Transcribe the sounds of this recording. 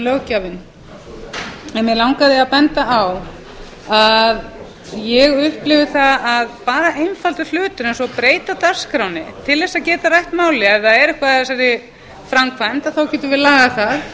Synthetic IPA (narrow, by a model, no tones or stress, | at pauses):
lœwcavɪn | ɛnmjɛlawŋkaðɪaðpɛnt̪aaw | að | jɛɣʏhplɪvðɪθaðaðpaːɾaʔejnfalt̪ʏl̥ʏːt̪ʏɾɛnsɔpɾeːjt̪at̪ar̥skɾawnɪt̪ʰɪlðɛsaðcɛːt̪arajht̪maːwlɪɛvθaðɛɾɛhkvaas̬aɾɪ | fɾamkʰvajmt̪aθawcɛːt̪ʏvɪðlaːɣaθað